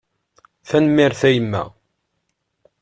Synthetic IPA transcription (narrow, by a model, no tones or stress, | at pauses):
θænəmːɪɾθæjəmːæ̰